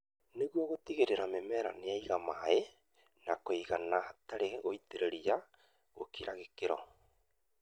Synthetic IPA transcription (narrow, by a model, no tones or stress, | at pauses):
neɣwɔɣotiɣeɾeɾamemɛːɾa̰neaiɣamae | nakoiɣanaataɾeoiteɾeɾia | ɣo̰kiɾaɣekeɾɔ̰